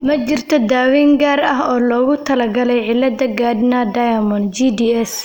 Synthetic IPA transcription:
mɐt͡ʃɪrt̪ʰɔd̪aːwiːŋɡaːrɐɦɔːlɔːɣʊt̪ʰɐlɐɡɐlɛjʕɪlːɐd̪ɐɡaːd̪nɐd̪ɐjɐmɔnd͡ʒid̪iːɛs

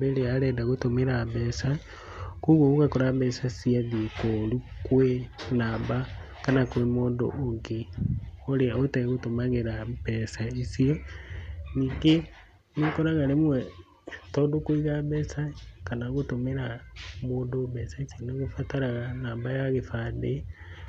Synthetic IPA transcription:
beɾeaɾɛdaɣotomeɾaβɛːsa | kuɣwoɣoɣakɔɾaβɛsasiaðiekolukwenaːmba | kanakwemoːndo̰ʔːŋɡeoɾeaotɛɣɣotomaɣeɾaβɛːsaisiɔ | niːŋɡe | nekɔɾaɣaɾemwɛ | tɔːdokwiɣaβɛːsakanaɣotomeɾamoːndoβɛsaisjonaɣofataɾaɣanaːmbajaɣefaðe

